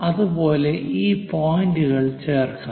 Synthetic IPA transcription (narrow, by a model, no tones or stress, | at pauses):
ɐðubo̞ːle̞ʔiːpoːjinduɣɐɭt͡ɕeːrkɐ